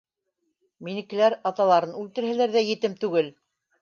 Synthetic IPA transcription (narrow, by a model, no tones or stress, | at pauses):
minɘ̆kɘ̆læɾɑt̪ɑlˠɑɾɤnʉlt̪ɘ̆ɾhælæɾðæjɘ̆t̪ɘmt̪ʉɡɘl